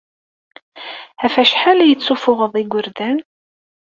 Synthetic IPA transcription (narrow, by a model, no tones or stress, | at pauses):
æfæʃħalæjət͡sːufʊʁəðˤiɡʷəɾðæn